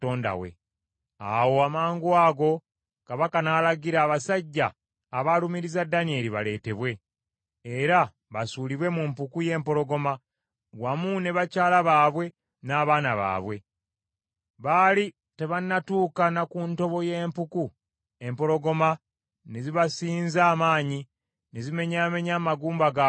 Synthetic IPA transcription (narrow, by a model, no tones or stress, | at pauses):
toːnda̰wḛ | a̰wo̞amaːŋɡuaːɡo̞ | kaβakanaːlaɡiɾaːβasaɟːaː | βalumiɾizadːanie̞liβale̞ːte̞βwe̞ː | ɾa | βasuːliβwe̞mumpukuje̞ːmpo̞ɾo̞ɡo̞ma | ɡwamune̞βacaːlaβaːβwe̞ | naːβaːnaβa̰ːβwe̞ | βaːli | te̞βanːatuːkanakunto̞βo̞je̞ːmpuku | e̞mpo̞ɾo̞ɡo̞ma | ne̞ziβasiːnzaːmaːɲi | ne̞zime̞ɲaːme̞ɲaːmaɡuːmbaɡa